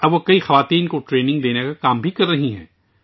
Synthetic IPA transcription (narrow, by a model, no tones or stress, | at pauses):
ɐbʋokɐixɐʋaːt̪iːnkoʈɾeːnɪ̃ŋɡd̪eːnekakaːmbʱikɐɾːɐɦiɦɛ̰̃ː